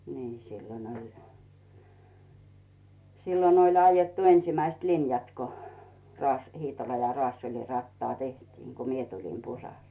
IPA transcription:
niː silːon olʲ silːon olʲ ɑijɑtːu ensĭmæist linjɑt ko rɑːs hiːtolɑ jɑ rŏɑːsːelʲi rɑtːɑː tehtiːŋ ɡ̊u mie tulim pusɑl

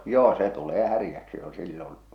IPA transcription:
joː se tuleː hærĭjæksi jo silːon

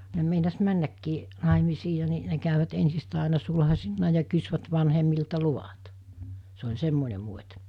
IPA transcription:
ne meinɑs mænːækːiː nɑˑemisiː jɑ ni ne kæyʋæt ensistæˑe ɑˑenɑ sulhɑsinːɑ jɑ kysʋæt ʋɑnhemːiltɑ luʋɑt se olʲ semːone muotʲ

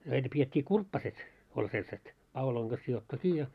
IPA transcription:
næitæ pietʲːiː kurpːɑset olʲ selset pɑuloiŋ ɡ̊ɑs sijotːu kiː jɑ

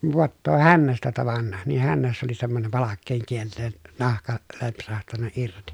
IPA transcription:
ʋoɑtːoː hænːæstæ tɑʋɑnːɑ niːh hænːæsːæ oli semːonem pɑlɑkːeːŋ kielːeːn nɑhkɑ lempsɑhtɑnːɑ irti

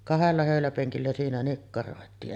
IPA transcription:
kɑhelːɑ høˑylæpeŋkilːæ siːnæ nikːɑroˑetiːʔ

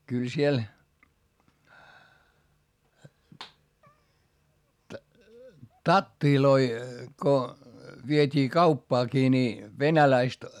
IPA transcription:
kyl siel tɑtːiloi ko ʋietʲiː kɑupːɑːkiː ni ʋenælæist

